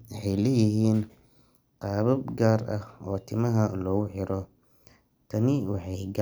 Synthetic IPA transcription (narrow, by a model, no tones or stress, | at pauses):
wɑħɑjlɛːjɪɦiːn | qɑːβɐbɡaːɾɐhɔːt̪ʰɪmɐɦɐlɔːɣʊħɪɾɔ | t̪ʰɐnɪwɑħɑjɡ